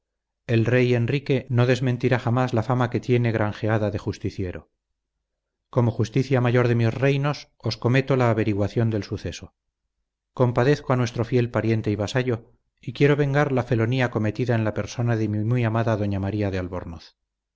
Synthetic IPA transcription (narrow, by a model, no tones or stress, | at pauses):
e̞lre̞je̞nrike̞no̞ðe̞zment̪iɾaχamazlafamake̞t̪je̞ne̞ɣ̞ɾaŋxe̞aðaðe̞xust̪iθje̞ɾo̞ | ko̞mo̞xust̪iθjamaʝo̞ɾðe̞mjozre̞jno̞s | o̞sko̞me̞t̪o̞laːβe̞ɾiɣwaθjo̞nd̪e̞lsuθe̞so̞ | ko̞mpaðe̞θkoanwe̞st̪ɾo̞fje̞lpaɾje̞nt̪e̞iβasaʎo̞ | ikje̞ɾo̞βe̞ŋɡaɾlafe̞lo̞niako̞me̞t̪iðaenlape̞ɾso̞naðemimujamaðaðo̞ɲamaɾiaðe̞alβo̞̰ɾnoθ